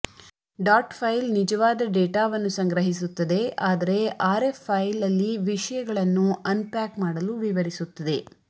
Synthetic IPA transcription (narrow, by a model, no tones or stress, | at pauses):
ɖaːʈpʰɐjlnid͡ʒɐʋaːd̪ɐɖeːʈaːʋɐnːusɐŋɡɾɐɦisut̪ːɐd̪e̞ʔaːd̪ɐɾe̞ʔaːɾepʰːɐjlɐlːiʋiʂɐjɐɡɐɭɐnːuɐnpaːkmaːɽɐluʋiʋɐɾisut̪ːɐd̪e̞